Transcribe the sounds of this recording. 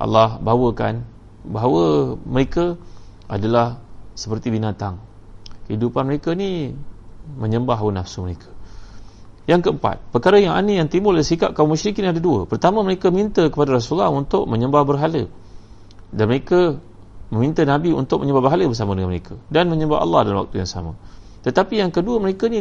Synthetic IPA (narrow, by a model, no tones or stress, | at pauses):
ʔa̰lːɑhbaawəka̰n | baɦawəməɾekə | a̰dalahsə̥pərt̪ibinat̪aŋ | kəidupanməɾekəni | mə̃ɲəmbaɦawənafsuməɾekʰə̥ | jaŋkəəmpa̰t̪̚pərkaɾəjaŋa̰nəjaŋt̪imʊlaisika̰ʔ̚kaumuʃɾikiniadaduə̰pərt̪amə̃məɾekəmint̪əkəpadaɾas̬ulahunt̪ʊk̚mə̃ɲəmbahbərɦalə | danməɾekə | mə̃mint̪ənãbiṵnt̪ʊk̚məɲəmbabərɦaləbərs̬amədəŋãnməɾekʰadanmə̃ɲəmba̰ʔa̰lːɑ̰hdalanwa̰k̚t̪uja̰ŋsa̰mã̰ | t̪ət̪apijaŋkəduəməɾekəni